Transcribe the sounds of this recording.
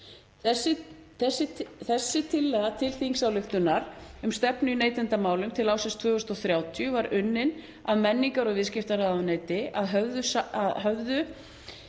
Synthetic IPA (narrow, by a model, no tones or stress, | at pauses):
θɛsɪ | θɛsːɪθɛsːɪt̪ʰɪlːɛɣat̪ʰɪlθiŋsawlʏxt̪ʏnːaɾ̥ʏmst̪ɛpnʏineːjt̪ɪnt̪amaːwlʏmt̪ʰɪlaːwsɛst̪ʰvœːɣʏst̪ɔθɾjaːwt̪ʰjʏvaɾʔʏnːɪn | aðmɛnːiŋkaɾɔɣvɪðscɪft̪aɾaðaneːjt̪ɪaðɦœvðʏsaaðɦœvðʏ